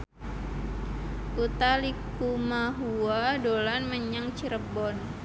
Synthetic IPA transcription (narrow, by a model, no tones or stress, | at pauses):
put̪alik | umaɦuadolanməɲaŋt͡ʃiɾəbɔn